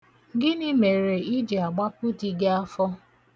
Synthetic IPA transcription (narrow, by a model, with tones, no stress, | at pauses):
ɡɪ˦nɪ˦me˨ɾe˨i˦d͡ʒe˨a˨ɡ͡ba˦pu˦ti˨ɡe˦a˦fɔ˦